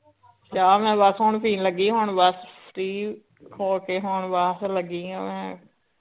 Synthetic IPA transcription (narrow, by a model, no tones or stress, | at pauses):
t͡ʃaːmɛ̃ːbəsɦoːɳpʰiːnləɡiːɦoːɳbəspʰɾiː | kʰoːlkeːɦoːɳbasləɡiːã̰ːmɛ̃ː